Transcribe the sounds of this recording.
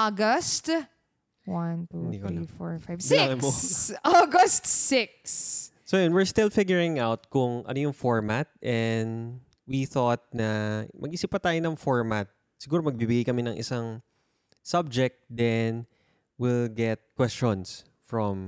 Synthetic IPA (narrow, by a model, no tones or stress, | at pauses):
ʔaɡɐst̪ | want̪ud̪ikifɔɹfajvbaŋɐpooɡɐst̪sɪk̚s | sojɛnwɪɹst̪ɪlfɪɡjʊɹɪ̃ŋawt̪̚kʊŋʔɐ̰nojʊŋfɔɹmat̪̚ʔɛnd̪ | wiθɔt̪̚nɐmʔɐɡʔiːsipːɐt̪aːjonɐŋfɔɹmat̪̚ | sɪɡuːɾomɐɡ̚bibɪɡajkɐmɛnɐŋʔɪ̰saŋ | sab̚d͡ʒɛk̚t̪̚d̪ɛn | wilɡɛt̪̚kwɛst͡ʃɔns | fɹɔm